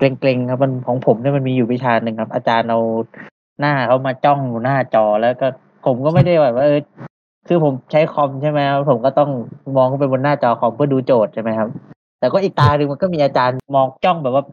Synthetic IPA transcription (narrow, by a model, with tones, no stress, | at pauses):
kle˧ŋkle˧ŋkʰa˦˥p̚ma˧nkʰɔː˩˦ŋpʰo˩˦mni˥˩˨ma˧nmiː˧juː˨˩pi˦˥t͡ɕʰaː˧nɯ˨˧ŋkʰa˦˥p̚ʔaː˧t͡ɕaː˧nʔa˧w | naː˥˩kʰa˥˩wmaː˧t͡ɕɔ˥˩ŋ˨˩naː˥˩t͡ɕɔː˧lɛː˦˥wkɔː˥˩ | pʰo˩˦mkɔː˥˩ma˥˩jda˥˩jba˨˩p̚waː˥˩ʔɤː˧˩ | kʰɯː˧pʰo˩˦mt͡ɕʰa˦˥jkʰɔ˧mt͡ɕʰa˥˩jma˦˥jkʰa˦˥pʰːo˩˦mkɔː˥˩t̪ɔ˥˩ŋmɔː˧ŋkʰa˥˩pe˧nbo˧nːaː˥˩t͡ɕɔː˧kʰɔ˧mpʰɯ˥˩ɐduː˧t͡ɕoː˨˩t̪̚t͡ɕʰa˥˩ma˦˥jkʰa˦˥p̚ | t̪ɛː˨˩kɔː˥˩ʔiː˨˩k̚t̪aː˧nɯ˧ŋma˧nkɔː˥˩miː˧ʔaː˧t͡ɕaː˧nmɔː˧ŋt͡ɕɔ˥˩ŋbɛ˨˩p̚waː˥˩